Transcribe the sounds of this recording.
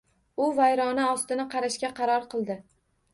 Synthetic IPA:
ʊvajɾɒnaɒst̪ɪnɪqʰɑɾaʃkʲaqʰɑɾɒɾqʰɨlˠd̪ɪ

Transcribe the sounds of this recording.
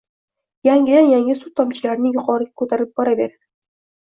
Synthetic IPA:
jaŋʲɡʲɪd̪anjaŋʲɪsut̪̚ːʰɒmt͡ʃʰɪlaɾnɪjʊqʰɒɾɪɡʲakʰɵt̪ʰaɾɪp̚b̥ɒɾavḛɾad̪̥ɪ

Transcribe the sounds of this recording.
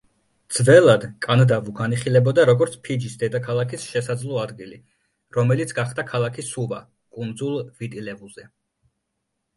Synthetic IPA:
d̪z̥vɛlˠad̪kʼand̪avuɡaniχilɛbɔd̪aɾɔɡɔɾt̪sʰpʰid͡ʒisd̪ɛd̪akʰalˠakʰisʃɛsad̪zlˠɔad̪ɡili | ɾɔmɛlit̪sʰɡaχd̪akʰalˠakʰisuva | kʼund̪zulˠvit̪ʼilɛvuz̥ɛ

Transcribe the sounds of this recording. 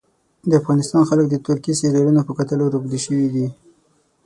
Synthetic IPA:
d̪əafɣɑnɪst̪ɑnxalək̚d̪ət̪ʊɾkiseɾaɾunopəkat̪əlaɾuɡd̪iʃəwid̪i

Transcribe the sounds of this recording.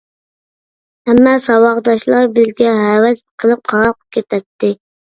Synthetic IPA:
hɛmːɛsɑwɑʁd̪ɑʃlˠɑɾbɪzɡʲɛɦæwɛsqʰəlˠɨp̚qʰɑɾɑqʰə̥p̚kʲʰet̪ʰɛt̪ʰːɪ

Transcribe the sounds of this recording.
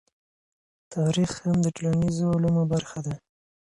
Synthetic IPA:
t̪ɑɾixhamd̪əʈlanizoalumobaɾxad̪a

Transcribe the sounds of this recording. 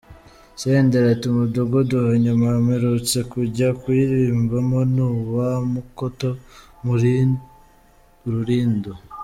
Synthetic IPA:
seːndeɾatumudoɡoduhoɲamameɾot͡se̞kuɟakwiɾiːmbamo̞nuːβamukoto̞ | m | ɾuɾiːndo

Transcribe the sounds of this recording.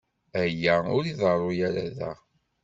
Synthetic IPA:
æjːæʊɾiðəɾˤʊjæɾæ̰ðæ̰

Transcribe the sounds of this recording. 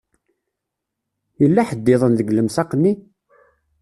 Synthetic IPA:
jəlːaħəd̪ːɪðˤənðəɡləmsɑqnːi

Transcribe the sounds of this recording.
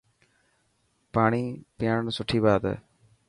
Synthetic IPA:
paːɳiːpɪjaːnsʊʈʰːiːbaːd̪ɛ̰ː

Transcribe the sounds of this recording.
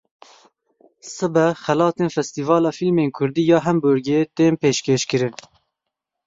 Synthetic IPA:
sɨbɛxɛlɑːt̪eːnfɛst̪iːvɑːlɑːfilmeːnkʰʊɾd̪iːjɑːɦɛmbʊɾɡeːt̪eːnpeːʃkeːʃkɨɾɨn

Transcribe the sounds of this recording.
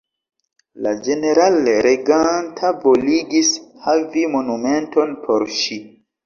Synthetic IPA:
lad͡ʒe̞ne̞ɾalɾeɡantʰavoliɡishavimo̞numento̞npʰo̞ɾʃi

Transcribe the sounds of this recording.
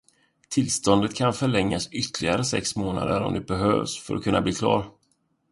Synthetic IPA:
t̪ʰɪlst̪ɔnd̪ət̪kʰanfœɭɛŋːasʏt̪lɪɡaɾəsɛ̰ksmoːna̰d̪əɾɔ̰md̪ɵbɛɦø̰ːvsfœɾʔɔkʰɵnːab̪iːkʰlɑ̰ːɾ

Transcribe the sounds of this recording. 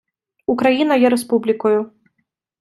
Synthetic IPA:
ukɾajinɐjɛɾɛspublʲikuju

